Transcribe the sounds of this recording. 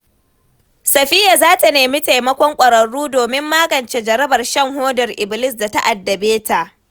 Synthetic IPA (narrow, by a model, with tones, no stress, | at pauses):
sɐ˨ɸɪː˦ja˨zaː˦ta˨neː˨mi˦ta˨jmɐ˦kʷɔ˦ŋkʷʼɐ˨ɾɐ˨ɽuː˦doː˨mɪ˦mːaː˦ɡɐ˨nt͡ʃe˦d͡ʒɐ˨ɾɐ˦bɐ˨rʃɐ˦˨ŋhoː˦dɐ˨rʔɪ˨bɪ˨lɪ˦s̬da˨ta˦ʔa˨dːɐ˨beː˦ta˨ʔ